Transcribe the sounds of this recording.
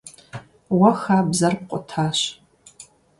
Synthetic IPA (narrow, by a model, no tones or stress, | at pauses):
wɐxaːbzɐrp̚qʷʼɔtʰaːɕ